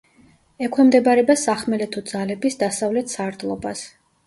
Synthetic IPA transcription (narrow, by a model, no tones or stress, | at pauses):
ɛkʰwɛmd̪ɛbɾɛbasaχmɛlɛt̪ʰud̪z̥alɛbisd̪asavlɛt̪ʰsaɾd̪lˠɔbas